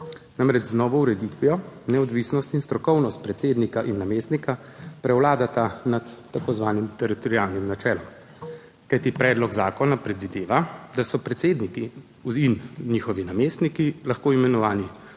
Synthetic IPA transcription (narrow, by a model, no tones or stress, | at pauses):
namɾɛt͡ʃznɔːʋɔuɾɛd̪it̪ʋiɔnɛɔd̪ʋiːsnɔst̪inst̪ɾɔkɔwnɔst̪̚pɾɛt̪seːd̪nikaʔinːameːst̪nika | pɾɛwlaːd̪at̪anat̪ːakozʋaːnimt̪ɛɾit̪ɔɾiaːlnimnat͡ʃɛːlɔm | kajt̪ipɾɛːd̪lɔɡzaːkɔnapɾɛd̪ʋid̪eːʋad̪asɔpɾɛt̪seːd̪niki | inniːxɔʋinameːst̪nikilaxkoːimɛnɔʋaːni